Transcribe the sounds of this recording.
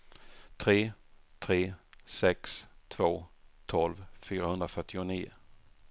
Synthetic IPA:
t̪ʰɾeːt̪ʰɾeːsɛkst̪ʰv̥oːt̪ʰɔlvfyːɾahɵnɾafœʈːɪʊniːʊ

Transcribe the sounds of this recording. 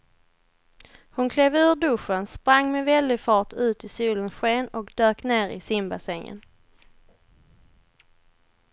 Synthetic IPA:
hʊnkʰleːvʉ̟ːɖɵʂːənspɾaŋːmɛvɛld̪ɪfɑːʈʉ̟ːt̪ɪsuːlənsɧeːnɔkd̪øːkneːɾɪ̰sɪmbasɛŋːə̰n

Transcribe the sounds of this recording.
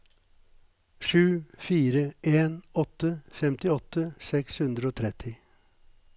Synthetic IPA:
ʂʉːfiːɾəʔeːnɔt̪əfɛmt̪ɪɔt̪əsɛkshʉnd̪ɾəoːt̪ʰɾɛt̪ʰɪ

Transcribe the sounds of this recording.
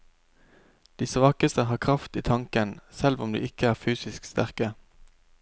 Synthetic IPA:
d̪̥iːsʋɑːkəst̪əhɑːkʰʁɑft̪ḭːt̪ʰɑŋkənsɛlʋʊmd̪ḭːʔɪkəæːʁfyːsɪskst̪æʁkə

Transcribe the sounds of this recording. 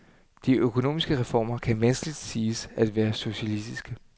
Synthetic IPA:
d̥iʔøkʰo̝no̝̰ːmisɡ̥əʁɛfɒ̰ːmɐkʰænʋænsɡ̥əlid̥siːsæd̥ʋæːɐso̝ɕælisd̥isɡ̥ə

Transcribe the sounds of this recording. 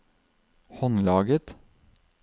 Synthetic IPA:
hɔnlɑːɡət̪

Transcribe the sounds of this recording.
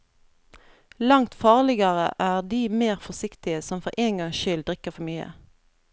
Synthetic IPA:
lɑŋt̪fɑːʁlɪɡɑʁə̰ʔæːʁd̪iːmeːʁfɔsɪkt̪ɪəsɔmfɔʁʔeːŋɡɑŋʃʏld̪ʁɪkəfɔmyːə̰

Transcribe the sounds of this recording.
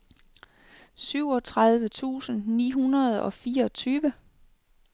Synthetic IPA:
syʊ̰ɒ̽t͡sʰʁað̞ˠʋət͡sʰṵːsn̩nḭːɦunɐð̞̩ˠɒ̽fiːɐɒt͡sʰyːʋə

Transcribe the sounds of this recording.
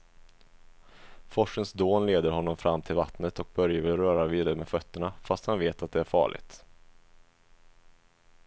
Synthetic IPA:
fɔʂənsd̪oːnleːd̪əɾɦɔnːɔmfɾamːt̪ʰɪlvat̪nət̪ɔk̚bœɾjavɪɾœːɾaviːd̪aɾəmɛfœt̪ːəɳafast̪hanveːt̪at̪̚d̪ɛæɾfɑ̰ːɭɪ̰ɡt̪

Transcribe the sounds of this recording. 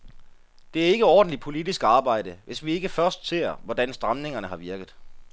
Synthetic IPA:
d̥e̝æɐe̝ɡ̥əɒ̰ːd̥n̩lid̥̚pʰo̝lid̥isɡ̥ɑ̈ːb̥ɑ̈ɪ̰d̥əʋe̝sʋie̝ɡ̥əfɶɐsd̥se̝̰ːɐʋɒd̥ænsd̥ʁɑmne̝ŋɐnəhɑ̈ʋiɐɡ̥əð̩ˠ

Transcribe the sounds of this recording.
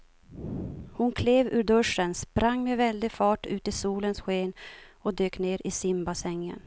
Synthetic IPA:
hʊnkʰleːvʉːɖɵʂənspɾaŋːmeɛvɛld̪ɪɡfɑːʈʉ̟ːt̪ɪsuːlənsɧeːnɔd̪øːkneːɾɪsɪmbasɛŋːə̰n

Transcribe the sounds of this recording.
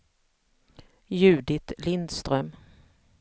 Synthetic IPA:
jʉ̟ːd̪ɪt̪lɪnd̪st̪ɾœm

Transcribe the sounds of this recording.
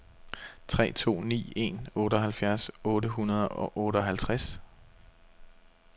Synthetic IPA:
t͡sʰʁɛ̰ːt͡sʰo̝̰ːnḭːe̝̰nɔ̽ːɾ̥əɒ̽ɦælfjæɐsɔ̽ːɾəɦunɐð̞ˠɒ̽ʔɔ̽ːɾ̥əɒɦælt͡sʰʁas

